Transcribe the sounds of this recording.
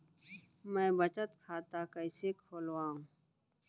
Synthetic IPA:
mɛ̃ːbɐt͡ʃət̪kʰaːt̪akəɪsekʰoːlwãːɦũ

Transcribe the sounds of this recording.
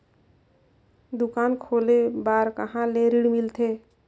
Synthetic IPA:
d̪ʊkaːnkʰoːlebaːɾkəɦãleɾiɽmɪlt̪ʰe

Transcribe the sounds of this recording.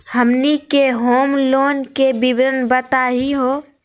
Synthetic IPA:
həmnikeɦoːmloːnkebɪbɾənbət̪aɦiɦoː

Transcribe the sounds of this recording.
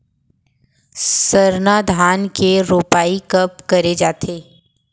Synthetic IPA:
səɾnaːd̪ʱaːnkeɾoːpaːikɐp̚kɐɾed͡ʒaːt̪ʰeː

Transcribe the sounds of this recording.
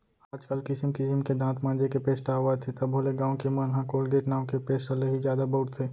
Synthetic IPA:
aːd͡ʒkəlkɪsɪmkɪsɪmked̪ãːt̪ʰmãːnd͡ʒekepeːsʈaːʋat̪ʰet̪ɐbʱoːleɡãːõkemanɦãkoːlɡeːʈnaːwkepeːsʈəleɦizjaːd̪abɐʊʈt̪ʰeː

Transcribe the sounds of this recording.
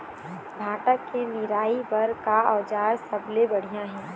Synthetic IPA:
bʱaːʈəkːenɪɾaːipɐɾkaɔːd͡ʒaːɾsɐblebɐɽ̤ijãɦɛ̃ː

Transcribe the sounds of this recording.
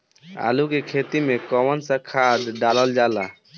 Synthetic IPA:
a̰lukekʰet̪imekɔmənsə̃kʰad̪ɖaləld͡ʒala

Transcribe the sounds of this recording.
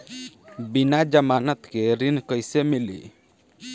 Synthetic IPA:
binad͡ʒəmanət̪keɾinkəjsemilḭ

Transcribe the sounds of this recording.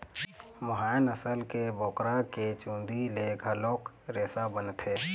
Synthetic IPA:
mʊɦaːnəsəlkebɔːkɾaket͡ʃũːnd̪ileɡʱəloːk | ɾeːsabənt̪ʰeː

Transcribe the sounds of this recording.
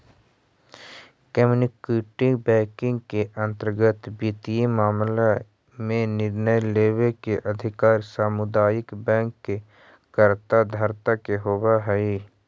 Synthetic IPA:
kɛmunɪkeːʈɪ̃bɛ̃ːkɪ̃ŋɡkeʔə̃nt̪əɾɡət̪biːt̪ijimaːmla | mẽnɪɾnəjleːwekeʔəd̪ʱɪkaːɾsaːmʊd̪aːjɪkbɛ̃ːŋkːe | kəɾt̪ad̪ʱəɾt̪akeɦoːwaɦɛi

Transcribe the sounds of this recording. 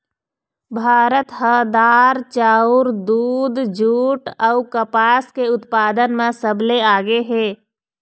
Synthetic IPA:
bʱaːɾət̪ɦəd̪aːɾt͡ʃaːʊɾd̪uːd̪d͡ʒuːʈəʊkəpaːskeʊt̪paːd̪ənmẽsəbleaːɡeɦɛ̃ː

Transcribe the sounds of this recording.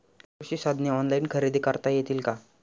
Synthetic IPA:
ɕiːsad̪ʱnjəɔnlainkʰəɾid̪ʱikəɾt̪ajet̪iːlka

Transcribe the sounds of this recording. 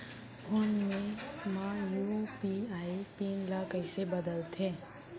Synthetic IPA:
ʊnmẽmãjupiaipinlakəɪsebəd̪əlt̪ʰẽ

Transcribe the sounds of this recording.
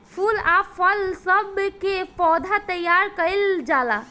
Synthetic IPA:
pʰulapʰəlsəbkepɔd̪ʱat̪əjaɾkəɪld͡ʒala

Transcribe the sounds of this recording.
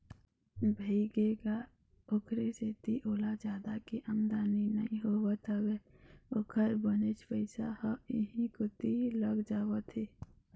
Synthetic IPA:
bʱəɡeɡa | okʰɾeset̪iʔoːlad͡ʒjaːd̪akiʔəmd̪aːninəĩɦowət̪ʰəweːokʰəɾbənet͡ʃpəɪsahəɪɦĩkot̪iləɡd͡ʒaːwət̪ʰeː

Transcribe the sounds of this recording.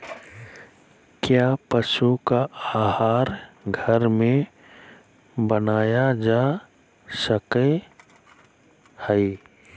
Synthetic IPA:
kjaːpəʃukaaːhaːɾɡʱəɾmẽ | bənaːjad͡ʒaː | səke | hɛi

